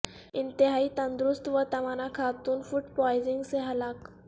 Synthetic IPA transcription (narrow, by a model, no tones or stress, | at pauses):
int̪iɦaiːt̪ənd̪ɾust̪ʋət̪əmanakʰat̪uːnfuʈpɔjziŋɡseɦalak